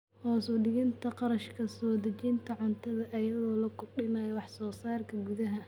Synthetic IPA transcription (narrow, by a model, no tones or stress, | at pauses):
hɔːsɔɖɪɣɪnt̪ʰɐqɑɾɐʃkʰɐsɔːd̪ɐt͡ʃint̪ʰɐʕʊnt̪ʰɐðɐʔɐjɐðɔːlɐkʰʊrɖɪnɐjɔwɑħsɔːsaːrkʰɐɡuðɐɦɐ